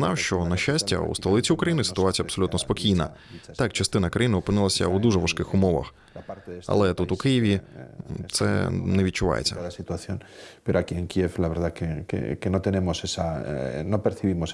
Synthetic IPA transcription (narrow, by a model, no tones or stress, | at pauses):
nɑwʃt͡ʃɔnɐʃt͡ʃasʲtʲɐ̰ṵst̪ɐlˠɪt͡sʲiukɾɐjinɪsɪ̥t̪ʊat͡sʲijɐpsɔlʲut̪nɔspɔkʲijnɐ̰t̪akt͡ʃɐst̪ɪnɐkɾɐjinɪɔpɨnɪlˠɐsʲɐ̰wd̪uʒɛʋɐʃkɪxʊmɔʋɐ̰x | aɾtɐ̰lˠɛt̪ut̪ʊkɪjɪʋʲi | t̪sɛ̰nɛʋʲid̪̚t͡ʃʊʋɑ̰jḛt͡sʲːɐ̰asit̪uaθjonpeɾoakieŋkieflaβeɾðakekḛkeno̞t̪e̞ne̞mosesanopeɾθiβimos